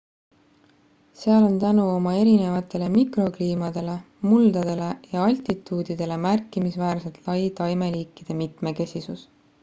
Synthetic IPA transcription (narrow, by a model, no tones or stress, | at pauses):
seɑlo̞nt̪ænuo̞mɑe̞ɾine̞vɑt̪ːˑe̞le̞mikro̞kliːmɑd̪̥e̞le̞ | muld̪̥ɑd̪̥e̞le̞jɑɑlʲt̪it̪ːˑuːd̪id̪̥e̞le̞mærkːˑimisvæːrset̪lɑjt̪ɑjme̞liːkːˑid̪̥e̞mit̪me̞ke̞sisus